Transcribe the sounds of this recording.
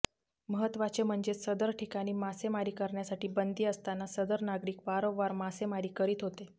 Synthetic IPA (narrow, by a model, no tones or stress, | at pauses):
məɦət̪ʋat͡sem̤əɳd͡zesəd̪əɾʈʰikaɽ̃iːmasemaɾiːkəɾɳjasaʈiːbənd̪iːəst̪anːasəd̪əɾnaɡɾiːkʋaɾoʋːaɾmasemaɾiːkəɾiːt̪ɦot̪e